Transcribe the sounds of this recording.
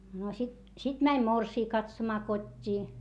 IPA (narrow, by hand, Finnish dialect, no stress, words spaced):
no sit sit mænʲ morsiː kɑtsomɑː kotʲːiː